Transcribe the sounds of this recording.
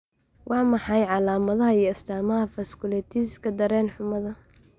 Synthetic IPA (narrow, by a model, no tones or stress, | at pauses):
wʔɑːmɑħɑjʕɑlaːmɐðɐɦɐijɔst̪ʰaːmɐɦɐfɐskʰʊlɛːt̪ʰiːskʰɐd̪ɐɾɛːnħʊmɐðɐ